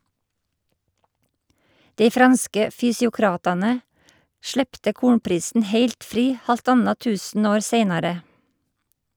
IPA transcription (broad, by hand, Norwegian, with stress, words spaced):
ˈdeɪ ˈfɾɑnskə fʏsɪʊˈkɾɑːtɑnə ˈʃɭeːptə ˈkuːɳpɾiːsn̩ ˈheɪlt ˈfɾiː ˌhɑlˈtɑnɑ ˈtʉːsn̩ˌoːɾ ˈseɪnɑɾə